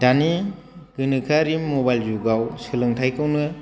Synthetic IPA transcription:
dani | ɡɯnɯkʰaɾimːobajlzuɡawsɯlɯŋtʰajkʰɯwnɯ

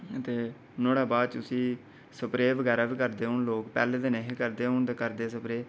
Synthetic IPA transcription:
ət̪eː | noːɽaːbaːt͡ʃʊsĩː | səpɾeːʋəɡɛːɾaːʋiːkəɾd̪eːɦʊnloːkpɛːleːd̪enɛɦiːkəɾd̪eːɦʊɳt̪eːkəɾd̪eːsəpɾeː

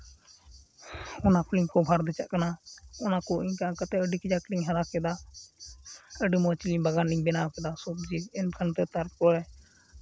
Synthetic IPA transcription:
ɔnapʰliŋkɔbʱaɾd̪ɛt͡ʃa̰ʔkanaɔnakɔʔiɲkaãkat̪ɛəɖikid͡ʒakɽiŋɦaɾakɛd̪a | əɖimɔt͡ʃiliɲbaɡaniŋbɛnakɛd̪asɔp̚d͡ʒiɛnkʰant̪ɛt̪aɾkɔɾɛ

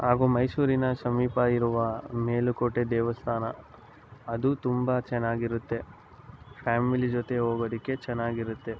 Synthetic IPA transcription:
haːɡuːmɐjsuːɾinɐʃɐmiːpɐiɾuʋɐmeːlukoʈːed̪ɛːʋɐst̪ʰaːnɐ̰ | ɐd̪ut̪umbɐt͡ʃɛnːaːɡiɾut̪ːe̞ | pʰaːmilid͡ʒot̪e̞ɦoːɡod̪ikːe̞t͡ʃɛnːaːɡiɾut̪ːe̞

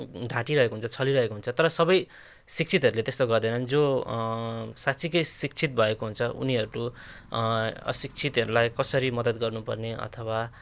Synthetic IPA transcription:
ɖʱãʈiɾʌɦekoɦunt͡sʰʌt͡sʰʌliɾʌɦekoɦunt͡sʰʌt̪ʌɾʌsʌbʌj | sik̚t͡sʰit̪ɦʌɾulet̪est̪oɡʌrd̪ʌjnʌnd͡zo | sat͡sʰikʌjsik̚t͡sʰit̪̚bʱʌekoɦunt͡sʰʌʔṵniɦʌɾuɾu | ʌ̰sik̚t͡sʰit̪ɦʌɾulajkʌsʌɾimʌd̪ʌt̪ɡʌrnupʌ̰rneʌ̰t̪ʰʌwa

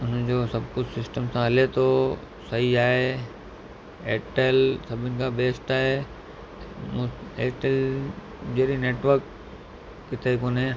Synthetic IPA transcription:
ʊnd͡ʑoːsɐbʱkʊd͡ʑsɪsʈəmsãɦɐlet̪ʰo | sɐɦiaːɦe | eːʈelsɐbʱɪnɪ̆kabeːsʈaːɦe | mũeːʈel | d͡ʑeːɾineːʈʋəɾkː | ɪt̪ʰekoːnɦẽː

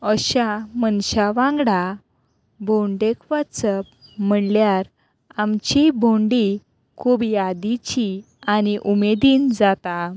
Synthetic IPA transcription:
əɕamənɕaʋãŋɡɽa | bʱoɳɖekʋat͡səpm̤əɳljaɾ | amt͡ɕibʱoɳɖi | kʰubiad̪it͡ɕi | aniʔumed̪iːnd͡zat̪a

